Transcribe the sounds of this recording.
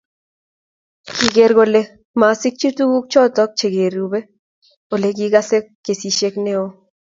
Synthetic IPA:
ki˨ɡe˨ɾɡo˧le˦ | ma˨sɪ˦k̚t͡ʃi˦tu˦ɡu˦k̚t͡ʃɔ˦tɔ˦k̚t͡ʃe˨ɡe˨ɾu˨be˦ | o˨le˨k̬i˦ɡa˦se˦kːe˨si˨ʃe˦kne˦o˦

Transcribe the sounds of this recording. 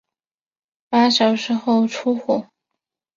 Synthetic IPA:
pa˥ɕjɑ˨˩ʊʂɻ̩˧˥xo˥˧ʊʈ͡ʂʰu˥xɔ˨˩˦

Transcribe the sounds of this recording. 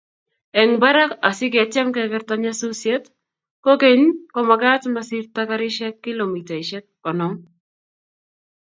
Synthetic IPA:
ɛ˨ŋba˦ɾa˦ka˨sɪ˦ɡa˨t͡ʃa˦mkɛkɛ˦ɾt̪aɲasu˦sjɛ˦t | ko˦ke˦ɲkɔ˨ma˨ɡa˦tmasi˦ɾt̪akaɾɪ˦ʃɛ˦kːɪ˦lo˨mi˨ta˨i˨ʃɛ˦t̚kɔ˨nɔ˦m

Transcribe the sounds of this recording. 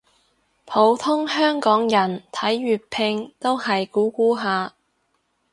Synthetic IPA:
pʰo˨˥wt̪ʰʊ˥ŋhœː˥ŋkɔː˨˥ŋjɐ˨˩nt̪ʰɐ˨˥jɥyː˨t̚pʰɪ˧ŋt̪o˥whɐ˨jkuː˨˥kuː˨˥ɦaː˧

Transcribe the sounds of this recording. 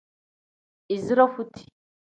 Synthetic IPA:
i˨zɾɔ˦fu˦t̪ʰi̥˨

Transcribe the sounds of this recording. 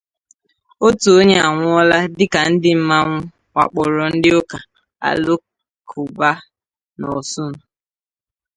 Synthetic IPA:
o˦tu˨o˦ɲe˦a˨ŋʷʊ˦ɔ˦la˦dɪ˦ka˨n̩˦dɪ˦m̩˦ma˦ŋʷʊ˦ | ŋʷa̰˨k͡pɔ˨ɾɔ˨n̩˦dɪ˦ʊ˦ka˨ | a̰˨lo˦ | kʰʊ˨ba˦ | nɔ̰˨sʊ˦nʊ˨

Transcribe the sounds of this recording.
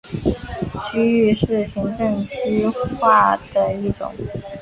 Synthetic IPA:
t͡ɕʰy˥y˥˧ʂɻ̩˥˩ɕi˧˥ŋʈ͡ʂə˥˧ŋt͡ɕʰy˥xwa˥˩d̪̥ə˩i˥˩ʈ͡ʂʊ̰˨˩˦ŋ

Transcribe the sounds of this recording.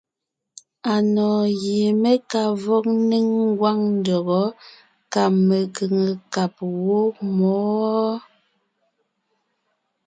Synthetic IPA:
a˨nɔː˨je˨me˦ka˨vɔ˦k̚ni˦ŋ˦ɡwa˦ŋn̩˦dɔ˨ɣɔ˨˦ | ka˨me˨kə˨ŋə˨ka˨p̚wo˦mɔ˨˦

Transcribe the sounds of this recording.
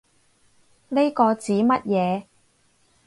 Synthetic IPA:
ne˥kɔː˧t͡siː˨˥mɐ˥t̚jɛː˨˧

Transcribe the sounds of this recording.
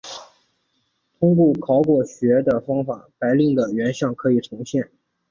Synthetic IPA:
t̪ʰʊ˥ŋk̬wɔ˥˩kʰɑ˧˥ʊkwɔ˥˩ɕɥɛ˧˥d̪ə˨fɑ˥ŋfa̰˨˩˦pa˧˥ɪli˥˩ŋd̪ə˩ɥɛ˧˥nɕjɑ˥˩ŋkʰɤ˧˥i˨˩ʈ͡ʂʰʊ˧˥ŋɕjɛ˥˩n

